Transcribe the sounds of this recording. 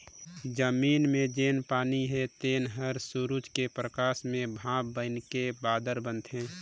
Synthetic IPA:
d͡ʒəmiːnmẽd͡ʒeːnpaːniɦet̪eːnɦəɾsuɾud͡ʒkepɾəkaːsmẽbʱãːbːənkebaːd̪əɾbə̃nt̪ɦɛ̃ː

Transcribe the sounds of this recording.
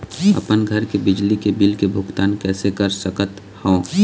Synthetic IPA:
ə̰pənɡʱəɾkebɪd͡ʒlikebɪlkebʱʊɡt̪aːnkɛːsekəɾsəkət̪ | hɔ̃

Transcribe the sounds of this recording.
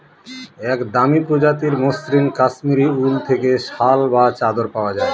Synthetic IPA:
ɛkd̪amipɾod͡ʑat̪iɾmosɾinkaʃmiɾiult̪ʰekeʃalbat͡ɕad̪oɾpaoad͡ʑae

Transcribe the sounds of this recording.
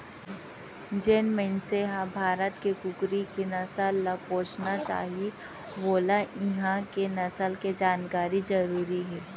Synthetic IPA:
d͡ʒenmə̃nseɦabʱaːɾət̪kekʊɡɾikenɐsalːapõːt͡ʃnat͡ʃa̰ːɦie | boːlaʔɪɦãkenɐsəlked͡ʒaːnkaːɾid͡ʒɐɾuːɾiɦɛː

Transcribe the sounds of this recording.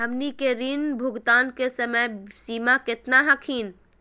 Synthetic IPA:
ɦəmnikeɾinbʱʊɡt̪aːnkesəməjsiːmakɪt̪naɦɐkʰiːn

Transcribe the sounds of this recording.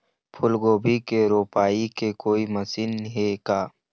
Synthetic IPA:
pʰʊlɡoːbʱikeɾoːpaːikekoːimɐsinɦekaː

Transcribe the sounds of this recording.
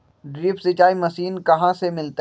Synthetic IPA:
ɖɾɪːpsɪt͡ʃaːimɐsiːnkɐɦãsemɪlt̪

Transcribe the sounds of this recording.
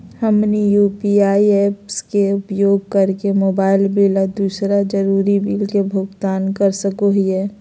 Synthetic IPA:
həmnijuːpiaːiɛːpskeʊpjoːɡ̚kəɾkemoːbaːɪlbilad̪uːsɾad͡ʒəɾuːɾibilkebʱʊɡt̪aːnkəɾsəkoɦiɛː

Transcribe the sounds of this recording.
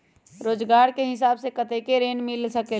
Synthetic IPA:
ɾoːd͡ʒɡaːɾkeɦɪsaːbsekət̪ekeɾeːnmɪlsəkeː

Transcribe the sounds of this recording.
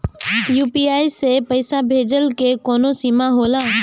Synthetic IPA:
juːpiaːisepəɪsabʱeːd͡ʒəlkekoːnosiːmaɦoːlaː

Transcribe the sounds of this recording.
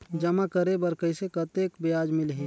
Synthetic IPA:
d͡ʒəmakəɾebəɾkəisekət̪eːkbɪjaːd͡ʒmɪlɦeː

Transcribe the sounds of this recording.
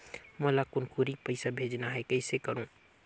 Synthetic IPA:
molakʊnkuɾipəɪsabʱed͡ʒnaɦɛkəɪsekəɾũː

